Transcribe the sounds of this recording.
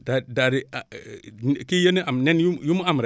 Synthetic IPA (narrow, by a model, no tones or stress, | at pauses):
dadaɾia | kijeniʔamnenjujumamɾa